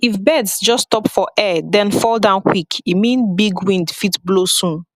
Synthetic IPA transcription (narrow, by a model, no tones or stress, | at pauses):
ifbɛdsd͡ʒɔstɔpfɔʔɛdɛ̃nfɔlˠdãʊ̃nkʰwikimĩnbiɡwĩndfitblosũn